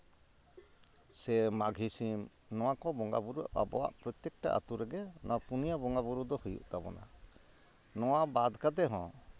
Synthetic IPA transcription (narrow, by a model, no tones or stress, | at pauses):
sɛmaɡʱisim | nɔwakɔbɔŋɡa̰buɾuʔa̰bɔ̰wa̰ʔpɾɔt̪jɛk̚ʈa̰ʔa̰t̪uɾɛɡɛnʔɔ̰wapunijabɔŋɡabuɾud̪ɔhujṵʔt̪abɔ̰na̰ | nɔwabad̪kad̪ɛɦɔ̰̃